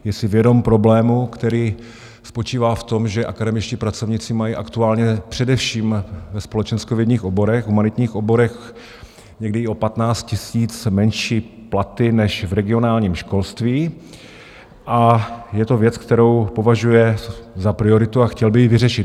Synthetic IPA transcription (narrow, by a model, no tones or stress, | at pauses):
jɛsɪvjɛdo̞mpɾo̞blɛːmukt̪ɛɾiː | spo̞t͡ʃiːvaːft̪o̞mʒɛʔakadɛmɪt͡ʃciːpɾat͡so̞vɲit͡sɪmajiːʔakt̪uaːlɲɛpr̝̥ɛdɛfʃiːmvɛspo̞lɛt͡ʃɛnskovjɛdɲiːxʔo̞bo̞ɾɛxɦumanɪt̪ɲiːxʔo̞bo̞ɾɛx | ɲɛɡdɪɪo̞pat̪naːt͡st̪̚cɪsiːt͡smɛnʃiː | plat̪ɪnɛʃvɾɛɡɪo̞naːlɲiːmʃko̞lst̪viː | ʔajɛt̪o̞vjɛt͡skt̪ɛɾo̞wpo̞vaʒujɛzapɾɪo̞ɾɪt̪uaxcɛlbɪjɪvɪrɛʃɪt̪